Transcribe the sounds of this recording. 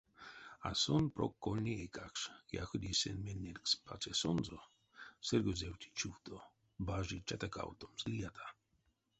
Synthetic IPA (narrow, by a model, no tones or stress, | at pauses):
a̰sɔnpɾokːolnʲiekakʃja̰xod̪ʲisɛ̰nmenːeɾkspʰat͡sɛsɔnzɔ | sɛɾɡozɛwt̪ʰʲi̥t͡ʃuwt̪o | baʒit͡ʃat̪aka̰wt̪omzlijat̪ʰḁ